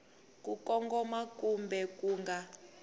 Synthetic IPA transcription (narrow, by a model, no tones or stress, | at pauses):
k̬ʼukʼɔŋɡɔmakʼumbʱɛkʼuːŋɡʱa